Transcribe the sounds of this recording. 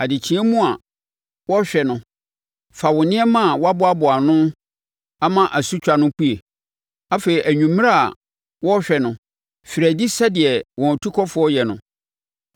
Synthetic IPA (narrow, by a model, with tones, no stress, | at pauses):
a˨dɪ˨t͡ɕʰĩ˦ɛ˦mũ˦a˨ | wɔ˦ɕᶣɛ˨nʊ̃˨ | fa˨wʊ̃˨nɪ̃˦ɛ˦mã˦˨wɔ˦a˦bʊ˦a˦bʊ˨a˨nʊ̃˦ | a˦mã˦ʔa˨su˦t͡ɕᶣa˨nʊ̃˦k͡pu˦e˨ | a˦fe˨i˨ʔæ˨ɲᶣũ˨m̃˦a˦a̰˨ | wɔ˦ɕᶣɛ˨nʊ̃˨ | fɪ˨ɾæ˨di˦sa˦dɪ˨ɛ˨wɔ̃˨tʰu˦kʰɔ˦fʊ˨˦ɔ˦jɛ˨nʊ̃˨